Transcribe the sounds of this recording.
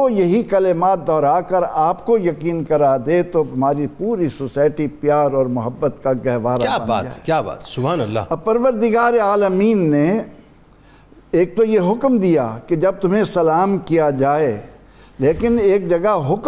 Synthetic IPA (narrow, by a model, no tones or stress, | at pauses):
ojɐɦikɐlɪmaːt̪̚d̪ɔːɾaːkɐɾaːp̚kojɐkiːnkɐɾad̪et̪oɐmaːɾipuːɾisosaːɪʈipjaːɾɔːɾmʊɦəbːət̪kaɡɛɦʋaːɾaaːba̰ːt̪ːkjaːba̰ːt̪sʊbɦaːnɐlːa̰ɐpɐɾʋəɾd̪ɪɡaːɾeaːləmiːnːe | eːk̚t̪ojeɦʊkmd̪ija̰ked͡ʒɐb̚t̪ʊmɦẽsɐlaːmkijad͡ʒaːe | leːkɪneːk̚d͡ʒɐɡəɦɦʊk